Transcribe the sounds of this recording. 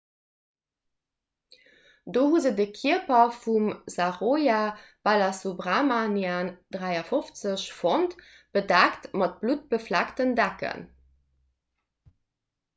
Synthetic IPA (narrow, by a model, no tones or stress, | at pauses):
doːɦuzədəkʰiəpɐfumzaʁojab̥alasubʁaːmanjaːnd̥ʁæɪɐfoft͡səɕfont | b̥ədæktmɑt̚b̥lut̚b̥əflæktəndækə̰n